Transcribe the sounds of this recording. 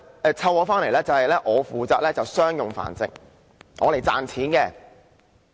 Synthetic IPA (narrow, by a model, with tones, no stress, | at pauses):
ɛː˧t͡sʰɐ˧wɔː˨˧faː˥nle˨˩jlɛː˥t͡sɐ˨hɐ˨jlɛː˥ʔɔː˨˧fuː˨t͡saː˨t̚lɛː˥t͡sɐ˨wsœː˥ŋjʊ˨ŋfa̰ː˨˩nt͡sɪ̰˨ŋ̚ | ŋɔː˨˧le˨˩jt͡sa̰ː˨nt͡sʰiː˨˥nkɛ˧